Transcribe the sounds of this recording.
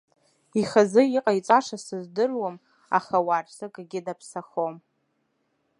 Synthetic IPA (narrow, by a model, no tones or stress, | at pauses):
iχazɨiqʼait͡sʼaʂasɨzdɨrwam | a̰χawarsɨkʼɡʲɪdapʰsaχom